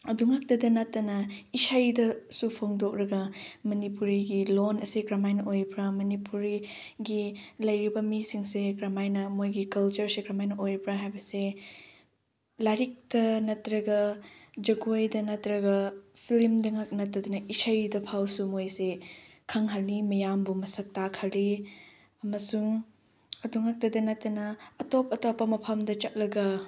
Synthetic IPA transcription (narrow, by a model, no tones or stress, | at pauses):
ɐduŋak̚tɐdɐnɐtːɐnɐisajdɐsupʰoŋdok̚ɾɐɡɐmɐnipuɾiɡilonɐsiɡɾamajnɐʔojbɾɐmɐnipuɾi | ɡilɐjɾibɐmisiŋseɡɾamajnɐmojɡikɐlt͡ʃɐɾseɡɾamajnɐʔojbɾɐɦajbɐse | laɾik̚tɐnɐtɾɐɡɐd͡ʒɐɡujdɐnɐtɾɐɡɐpʰilimdɐŋak̚nɐtːɐdɐnɐʔisɐjdɐpʰawsumojse | kʰɐŋɦɐlːimɐjambumɐsɐk̚takʰɐli | ɐmɐsuŋ | ɐduŋak̚tɐdɐnɐtːɐnɐːtopɐtopːɐmɐpʰɐmdɐt͡ʃɐt̚lɐɡɐ